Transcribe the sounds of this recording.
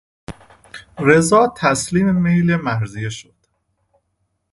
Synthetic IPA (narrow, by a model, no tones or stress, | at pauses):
ɾe̞zɒːt̪ʰæsliːmemejlemæɾzijeʃod̪̥